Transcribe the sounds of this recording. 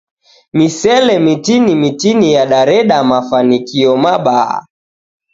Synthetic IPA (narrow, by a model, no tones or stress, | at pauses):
misɛlɛmitinimitinijaɗaɾɛɗamafanikiɔmaɓaa̰